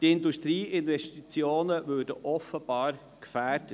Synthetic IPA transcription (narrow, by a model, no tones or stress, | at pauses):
tɪnduʃtɾiːʔɪnʋɛʃtit͡sjoːnəvøːdə̰ʔɔfəb̥ɑːɾ | kfæːdə